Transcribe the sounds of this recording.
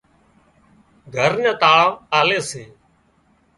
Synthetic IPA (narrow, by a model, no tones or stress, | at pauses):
ɡʱəɾnə̃ːt̪aːʋaːleːseː